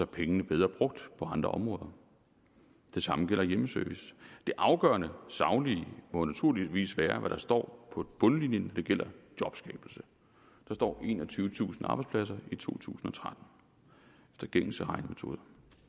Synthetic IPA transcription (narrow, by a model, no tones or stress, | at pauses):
sɒ̽pʰeŋənəb̥eð̞ˠʁɐːb̥ʁɔ̽ɡ̥̚d̥pʰɒ̽ɑ̈nd̥ʁɐʔɒ̽mʁɔ̽ːð̞ˠɐ | d̥e̝sɑ̈məɡ̥el̰ɐjeməsøɐʋisd̥e̝ʔɑ̈ʊɡ̥ɶ̰ɐnəsɑ̈ʊnlimɔ̽næt͡sʰuɐ̰liʋḭːsʋæːɐʋæɾ̥ɑ̈sd̥ɒ̰ːpʰɒ̽b̥ɔ̽nlinjənnɒd̥e̝ɡ̥el̰ɐd̥jɒ̽b̥sɡ̥ɛ̰ːb̥l̩sə | d̥ɑ̈sd̥ɒ̰ːe̝̰ːnɒt͡sʰyːʋət͡sʰṵːsn̩ɑ̈ːb̥aɪspʰlæsɐit͡sʰo̝̰ːt͡sʰṵːsn̩ɒ̽t͡sʰʁad̥n̩ | efd̥ɐɡ̥eŋ̰l̩səʁɑ̈ɪnəme̝t͡sʰo̝̰ːðˠɐ